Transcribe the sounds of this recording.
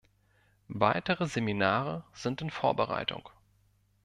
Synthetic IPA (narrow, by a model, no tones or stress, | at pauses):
vaɪtəʁəzeminaːʁəz̥ɪntɪnfoːɐbəʁa̰ɪtʰʊ̰ŋ